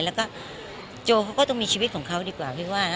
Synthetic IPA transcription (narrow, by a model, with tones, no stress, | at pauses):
lɛː˦˥wkɔː˥˩ | t͡ɕoː˧kʰa˦wkɔː˥˩t̪ɔ˥˩˨mi˧t͡ɕʰiː˧i˦t̪̚kʰɔː˩˦ŋkʰa˦˥wdiː˧kwaː˨˩wt̪ʰiː˧˥˩waː˥˩˦